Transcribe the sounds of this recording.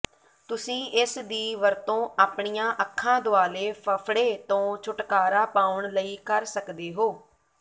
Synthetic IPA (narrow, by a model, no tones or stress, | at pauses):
t̪ʊsĩːʔɪsd̪iːʋəɾt̪õːʔaːpɳijãːʔəkʰːãːd̪ʊaːleːpʰəpʰɽeːt̪õːt͡ʃʰʊʈkaːɾaːpaːʊɳləiːkəɾsəkd̪eːɦoː